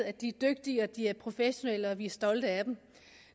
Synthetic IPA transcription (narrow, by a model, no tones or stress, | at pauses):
æd̥iæd̥øɡ̥̚d̥iəɒd̥iæɐpʰʁo̝feɕo̝neləɒ̽ʋiæɐsd̥ɒ̽ld̥əæd̥em